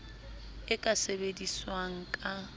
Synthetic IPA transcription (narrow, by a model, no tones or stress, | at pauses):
ɪkʼasebediswaŋ̩kʼa